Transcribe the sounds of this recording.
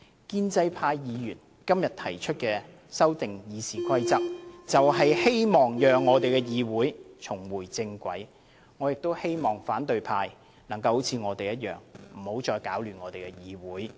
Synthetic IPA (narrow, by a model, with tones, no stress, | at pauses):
kiː˥nt͡sɐ˧jpʰaː˧jːiː˨˧jyː˨˩n | kɐ˥mjɐ˨t̪ʰɐ˨˩jt͡ʃʰɵ˥t̚kɛː˧ | sɐ˥wt̪ɪ˨ŋjiː˨˧siː˨kʰɐ˥jt͡sɐ˥k̚t͡sɐ˨wɦɐ˨jhe˥jmɔː˨ŋjœː˨ŋːɔː˨˧t̪e˨jkɛː˧jiː˨˧wuː˨˥jt͡sʰʊ˨˩ŋwuː˨˩jt͡sɪ˧ŋkʷɐ̰˨˥j | ŋɔː˨˧jɪ˨k̚t̪o˥whe˥jmɔː˨˩ŋfaː˨˥nt̪ɵ˨˧ɥpʰaː˧j | nɐ˨˩ŋkɐ˧who˨˥wt͡sʰiː˨˧ŋɔː˨˧t̪e˨jɐ˥t̚jœ̰ː˨ŋm̩˨˩ho˨˥wt͡ʃɔː˧jkaː˨˥wlyː˨˩nŋɔː˨˧t̪e˨jkɛː˧jiː˨˧wuː˨˥j